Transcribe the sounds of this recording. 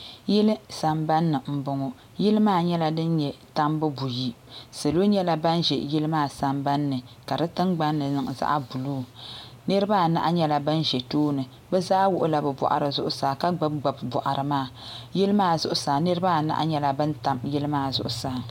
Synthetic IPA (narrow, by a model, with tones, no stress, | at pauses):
jɪ˦lɨ˦sa˨mba˦nːɨ˨m̩˦bʊ˦ŋɔ˦ | jɪ˦lɨ˦maː˦˨ɲɛ˦la˦dɨ˦nɲɛ˨ta˦mbɨ˦bu˨ji˦ | se˨lo˦ɲɛ˦la˦ba˦nʒɛ˨jɪ˦lɨ˦maː˦˨sa˨mba˦nːɨ˨ka˨dɨ˦tɨ˦mɡ͡ba˦nːɨ˨nɨ˨ŋ˨za̰˦ʔbu˨luː˦ | nɨ˦ɾɨ˦baː˦˨na̰˦ʔa˦ɲɛ˦la˨bɨ˦n˦ʒɛ˨toː˦nɨ˨ | bɛ˦za˦wʊ˨ʔʊ˦la˨bɛ˨bɔ̰˨ʔa̰˨ɾɨ˨zʊ˦ʔʊ˦saː˨ka˦ɡ͡ba˦bɡ͡ba˨bbɔ˨ʔa˨ɾʔɨ˨maː˦˨jɪ˦lɨ˦maː˦˨zʊ˦ʔʊ˦saː˨nɨ˦ɾɨ˦ba˦˨na̰˦ʔa̰˦ɲɛ˦la˦bɨ˦n˦ta˦mjɪ˦lɨ˦maː˦˨zʊ̰˦ʔʊ˦saː˨